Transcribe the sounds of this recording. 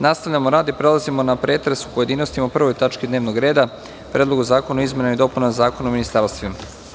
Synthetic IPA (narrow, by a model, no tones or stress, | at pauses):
nast̪aʋʎamoɾaːd̪ipɾe̞lˠazimo̞napɾe̞ːt̪ɾesu̥po̞je̞d̪iːno̞st̪imapr̩ʋojt̪at͡ʃkid̪neʋno̞ɡɾe̞ːd̪a | pɾeːd̪lˠo̞ɡuzaːko̞naoizme̞naid̪o̞punazaːkonaominist̪aɾst̪ʋima